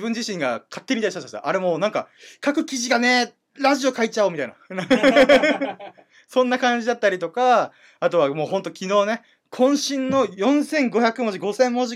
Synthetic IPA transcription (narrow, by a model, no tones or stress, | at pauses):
bɯ̟̃ɲ̟d͡ʑiɕĩŋɡakʰat̪ːe̞ɲ̟ʲit̪aist̪ːat̪ːaɕit̪a̰ʔaɾe̞moːnãŋkakakɯ̟kʲiʑiɡane̞ | ɾaʑio̞kait͡ɕaomʲit̪a̰ḭna̰ | sõ̞nːakãɲ̟d͡ʑid̪at̪ːaɾʲit̪o̞ka | at̪o̞βamo̞ːɦont̪o̞kʲino̞ːne̞ | kʰõ̞ɰ̃ɕĩnːo̞jõ̞ɰ̃sẽ̞ŋɡo̞çakɯ̟mo̞ʑiɡo̞sẽ̞mmo̞ʑi